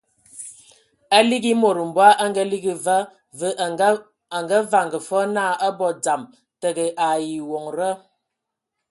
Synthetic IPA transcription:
a˦li˦ɡi˦mo˨ɾə˨m̩˨bwa˦ʔa˦ŋ˦ɡə˦li˦ɡi˨və˦ | və˦ʔ | a˨ŋɡə˦va˨ŋɡə˨fɔ˦na˦˨ə˦bɔ˨d͡za˨m | tə˨ɡə˨ʔa˨ji˨wo˨ŋɾə˦

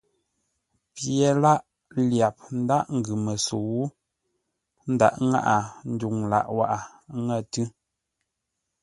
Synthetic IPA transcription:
pje˨˦la˦ʔ | lja˨p̚n̩˦da˦ʔŋ̩˨ɡʉ˨mə˨so˨wu˦ | n̩˦da̰˦˨ʔŋa̰˦ʔa˨n̩˦du˨ŋla̰˨ʔwa˦ʔa˨ | ŋə˦˨tɯ˦

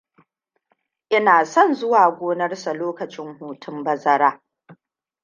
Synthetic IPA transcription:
ʔɪ˦naː˨sɔ˦nzʊ˦waː˨ɡʷoː˦nɐ˦rsa˨loː˦kɐ˨t͡ʃɪ˦ŋhuː˨tʰʊ˦mbɐ˦zɐ˦ɾaː˦

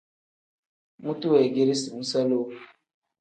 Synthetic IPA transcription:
mu˦tu˦we˨ɡi˦ɾi˦si˨mu˦sa˦lo˦f

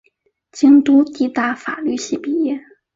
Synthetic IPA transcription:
t͡ɕi˥ŋt̪u˥t̪i˥˧t̪a˥˩fa̰˨˩ly˥˧ɕi˥˩pi˨˩jɛ˥˩

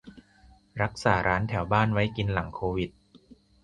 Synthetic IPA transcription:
ɾa˦˥k̚saː˩˦ɾʔaː˦˥nt̪ʰɛ˩˦wbaː˥˩nwa˦˥jki˧nla˩˦ŋkʰoː˧wi˨˩t̪̚

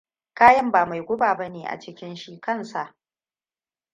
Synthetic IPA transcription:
kaː˦jɐ˦mbaː˨ma˨jɡʷʊ˦baː˨bɐ˦neː˨ʔa̰˨t͡ʃɪ˦kʲɪ˦nʃi˦kɐ˦˨nsa˨ʔ

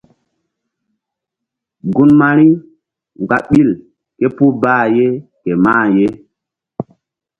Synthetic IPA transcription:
ɡu˦nma˦ɾi˦ | ŋɡ͡ba̰˨ɓi˦l | ke˦pu˦baː˦je˦ke˨maː˦˨je˦

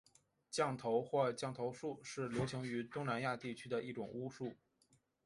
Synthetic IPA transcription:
t͡ɕjɑ˥˩ŋt̪ʰo˧˥ʊxwɔ˥˧t͡ɕjɑ˥˩ŋt̪ʰo˧˥ʊʂu˥˧ʂɻ̩˥˩ljo˧˥ʊt͡ɕʰi˧˥ŋy˧˥t̪ʊ˥ŋna˧˥nja˥˧t̪i˥˩t͡ɕʰy˥d̪ə˨ʔi˥˩ʈ͡ʂʊ˨˩ŋu˥ʂu˥˩

